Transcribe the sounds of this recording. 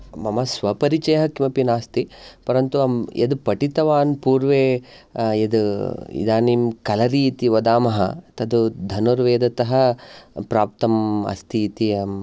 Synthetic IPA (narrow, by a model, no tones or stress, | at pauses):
mɐmɐsʋɐpɐɾit͡ʃɐjɐɦɐkimɐpinaːst̪ipɐɾɐnt̪uɐmḛd̪pɐʈit̪ɐʋaːnpuːɾʋeː | ed̪ḭd̪aːniːmkɐlɐɾiːt̪iʋɐd̪aːmɐɦɐ̰t̪ɐd̪ud̪ʱɐnuɾʋeːd̪ɐt̪ɐɦɐ̆pɾaːp̚t̪ɐmɐ̰st̪iːt̪iɐ